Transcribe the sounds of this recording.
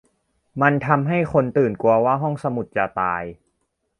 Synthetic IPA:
ma˧nt̪ʰa˧mɦa˥˩jko˧nt̪ɯː˨˩nku˧ɐwaː˥˩ɦɔ˥˩ŋsa˧mu˨˩t̪̚t͡ɕa˨˩t̪aː˧j

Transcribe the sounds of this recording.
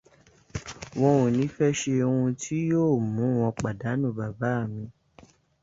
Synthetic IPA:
w̃ɔ̃˧wõ˨nĩ˨˦fɛ˦ʃe˧ũ˧tʰi˦joː˦˨mũ˨˦w̃ɔ̃˧k͡pa˨da˨˦nũ˦˨ba˨ba˨˦˨mĩ˧

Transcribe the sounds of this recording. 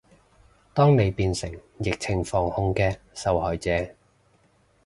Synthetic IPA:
t̪ɔː˥ŋne˨˧jpiː˧nsɪ˨˩ŋ | jɪ˨k̚t͡sʰɪ˨˩ŋfɔː˨˩ŋhʊ˧ŋkɛː˧ | sɐ˨˧whɔː˨jt͡sɛː˧

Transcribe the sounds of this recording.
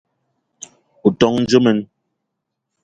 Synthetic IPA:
u˨tɔ˦ŋn̩˦d͡ʒə˦mɛ˨n

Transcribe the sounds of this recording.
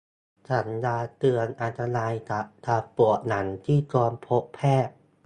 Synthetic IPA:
t͡ɕʰa˦˥njaː˧t̪ɯ˧ənʔa˧nt̪a˧naː˧jt̪ʰa˧˩t̪ʰa˧˩pu˨˩əna˩˦nt̪ʰiː˥˩kɔː˧mpʰo˦˥ʔpʰːɛː˥˩

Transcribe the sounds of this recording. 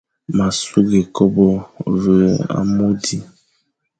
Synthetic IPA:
ma˨su˦ɡe˨kɔ˦bɔ˦və˨a̰˦mo˦di˨

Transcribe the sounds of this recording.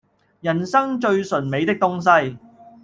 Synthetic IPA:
jɐ˨˩nsɐ˥ŋt͡ʃɵ˧ɥsɵ˨˩nme˨˧jt̪ɪ˥k̚t̪ʊ˥ŋs̬ɐ˥j

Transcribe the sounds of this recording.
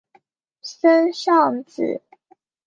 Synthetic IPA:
sə˦nɕɑ˥˨ŋt͡sɹ̩̰˨˦

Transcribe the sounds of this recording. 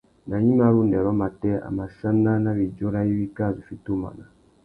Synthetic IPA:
na˨ɲi˦ma˨ɾu˦ndɛ˨ɾɔ˦ma˨tɛ˦a̰˨ma˨sa˦na˦na˦βi˨d͡ʒo˦ɾa˦i˦βi˦ka˦˨zu˨fi˦tu˦ma̰˨na˨

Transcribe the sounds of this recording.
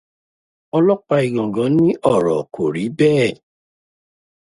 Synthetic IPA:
ɔ˧lɔ˦k͡pa˧i˨ɡɔ̃˨ɡɔ̃˨˦nĩ˦ʔɔ˦˨ɾɔ˨kʰo˨ɾi˨˦bɛː˦˨

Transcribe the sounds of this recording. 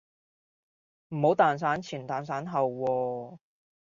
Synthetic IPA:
m̩˨˩ho˨˥wt̪aː˨ns̬aː˨˥nt͡sʰiː˨˩nt̪aː˨˩ns̬aː˨˥nɦɐ˨wːɔː˧

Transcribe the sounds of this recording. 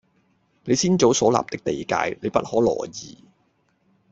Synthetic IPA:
ne˨˧jsiː˥nt͡so˨˥wsɔː˨˥la̰ː˨p̚t̪ɪ˥k̚t̪e˨jka̰ː˧jne˨˧jpɐ˥t̚hɔː˨˥lɔ̰ː˨˩jiː˨˩

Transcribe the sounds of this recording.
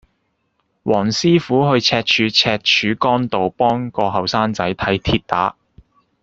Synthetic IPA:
wʔɔː˨˩ŋsiː˥fuː˨˥ɦɵ˧ɥt͡sʰɛː˧t̚t͡ʃʰyː˨˧˥t͡sʰɛː˧k̚t͡ʃʰyː˨˥kɔː˥nt̪o˨wpɔː˥ŋkɔː˧ɦɐ˨wsaː˥nt͡sɐ˨˥jt̪ʰɐ˨˥jt̪ʰiː˧t̚t̪a̰ː˨˥

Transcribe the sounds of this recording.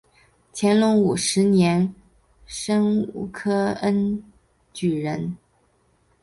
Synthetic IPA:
t͡ɕʰjɛ˧˥nlʊ˧˥ŋu˨˩ʂɻ̩˧˥njɛ˧˥n | ʂə˥ŋṵ˨˩kʰɤ˥ə˥n | t͡ɕy˨˩ɻə˧˥n

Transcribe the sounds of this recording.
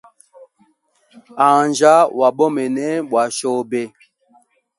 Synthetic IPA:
a˨nd͡ʒa˦wa˨ɓɔ˦mɛ˨nɛ˦ɓwa˨ʃo˦˨be˦

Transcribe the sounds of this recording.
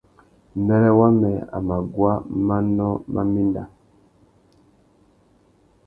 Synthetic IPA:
mbɛ˦lɛ˦wa˦mɛ˨a̰˨ma˨ɡwa˦ma˦nɔ˦ma̰˦mi˦nda˨

